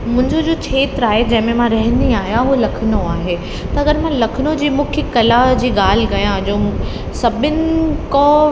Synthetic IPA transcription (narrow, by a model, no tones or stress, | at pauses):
mʊ̃ɦɪ̃ɲd͡ʑod͡ʑoːt͡ɕʰeːt̪ɾaːɦed͡ʑɐ̃ɦɪ̃mẽmãɾɐɦə̃nd̪iaːɦijãɦulɐkʰɪnoaːɦeː | t̪ɐɐɡəɾmãlɐkʰɪnod͡ʑiːmũːkʰɪkɐlad͡ʑiːɠaːl̤ɪɡɐjãd͡ʑoː | sɐbʱɪnɪ̆kɔ̃